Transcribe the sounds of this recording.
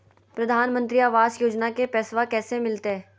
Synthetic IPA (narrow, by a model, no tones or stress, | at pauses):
pɾɐd̪ʱaːnmə̃nt̪ɾiaːʋaːzjoːd͡ʒnakepɛːsʋakɛːsemɪlt̪eɦɛː